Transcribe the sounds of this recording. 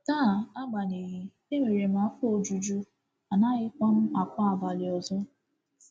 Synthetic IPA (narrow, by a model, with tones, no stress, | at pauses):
taː˦˨a˦ɡ͡ba˨ne˨ɣi˦ | e˦ŋe˨ɾe˨m̩˨a˨˦fo˨d͡ʒu˨d͡ʒu˦ | a˨na˦ɣɪ˦kʷa˦m̩˦a˨kʷa˦a˨va˨lɪ˨ɔ˨zɔ˦